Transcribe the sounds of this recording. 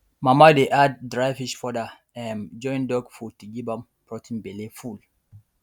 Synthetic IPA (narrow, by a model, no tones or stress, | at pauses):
mamadeʔad̚dɹajfiʃfɔda | ɛ̃nd͡ʒɔ̃ĩndɔɡfɔtiɡibãm | pɹɔtʰĩnbeleful